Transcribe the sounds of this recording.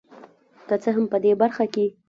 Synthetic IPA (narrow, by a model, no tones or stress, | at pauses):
kət͡səɦampəd̪ebaɾxake